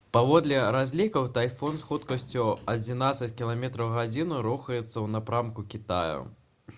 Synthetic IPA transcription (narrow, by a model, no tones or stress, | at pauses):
pavɔd̪lʲɛɾazʲlʲikɐwt̪ajfɔnsxut̪kɐsʲt͡sʲuɐd͡zʲin̪at̪sɐt͡sʲkʲilˠamʲɛt̪ɾɐwɣad͡zʲinuɾuxɐjɛt̪sːɐwnapɾamkukʲit̪a̰jṵ